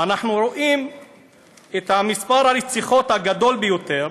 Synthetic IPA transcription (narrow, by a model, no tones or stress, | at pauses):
anaħnuɾo̞ʔim | et̪hamispaʁalet͡siχo̞t̪haɡad̪o̞lbejot̪e̞ʁ